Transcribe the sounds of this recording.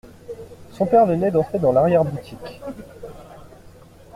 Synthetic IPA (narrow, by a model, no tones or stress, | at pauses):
sɔ̃pɛʁvənɛd̪ɑ̃t̪χed̪ɑ̃laʁjɛʁbut̪ʰikʲ